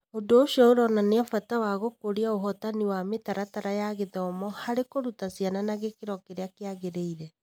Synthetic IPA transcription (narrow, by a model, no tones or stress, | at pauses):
ondoːʃiɔoɾɔnaneafatawaɣokoɾiaoɦɔtaniwametaɾataɾajaɣeðɔmɔhaɾekoɾutasiananaɣekeɾɔkeɾeakeaɣeɾeiɾɛ